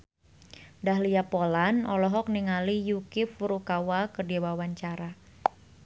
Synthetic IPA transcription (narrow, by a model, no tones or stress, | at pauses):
dahliapolanʔɔlɔɦɔk̚niŋalijukɪfuɾukawakərdiwawaɲt͡ʃaɾa